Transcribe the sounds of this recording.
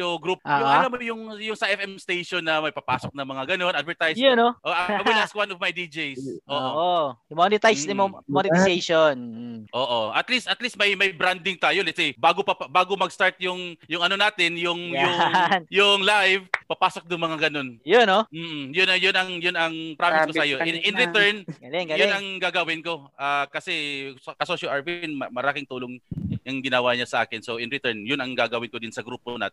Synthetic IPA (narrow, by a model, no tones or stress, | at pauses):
joɡɾup̚ːɐlamːojʊŋjʊŋsɐʔɛfɛmst̪ejʃonːɐmɐjpɐpaːsok̚nɐŋmɐŋaɡɐno̞nʔad̪̚vɛɹt̪ajsjʊnoʔoʔawɪaswanɔvmɐjd̪id͡ʒɛjssʔoʔoʔomonɪt̪ajsnɪmomonɪt̪ɪsejʃonʔoːʔoʔɐt̪list̪ʔɐt̪list̪̚mɐjmɐjbɾand̪ɪŋt̪aːjolɛt̪sɛjbaːɡopɐpbaːɡomɐɡst̪aɹt̪̚jʊŋjʊŋɐnonaːt̪ɪnjʊŋjʊŋjʊŋlajvpɐpaːsok̚d̪ʊŋmɐŋaɡɐno̞njʊnom̩ːjʊnɐjʊnɐŋjʊnɐŋpɾaːmɪskoaːjoʔʔɪnʔɪnɾɪt̪ɛɹnjʊnɐŋɡaːɡɐwɪnko̞ʔaːkɐsɛsɐkɐsoʃɐʔaɹvinmɐmɐɾaːkɪŋt̪uːloŋɐŋɡɪnawaɲasɐʔaːkɪnsoʔɪnɾɪt̪ɛɹnjʊnɐŋɡaːɡɐwɪnkod̪ɪnsɐɡɾuːpona̰ːt̪